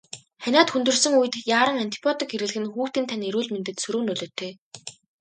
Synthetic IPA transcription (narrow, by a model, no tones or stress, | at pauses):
χænʲaːt̪xunt̪ɵ̆rsɵ̆ŋujɘ̆t̪jaːɾə̆ŋan̥ʲt̪ʰi̥pʲʰjɔt̪ĭkeɾɣɘ̆ɮɘ̆xɘ̆nxuːxt̪iːnt̪ʰaneɾuːɮment̪ɘ̆t̪sɵɾuːnɵɮoːt̪ʰeː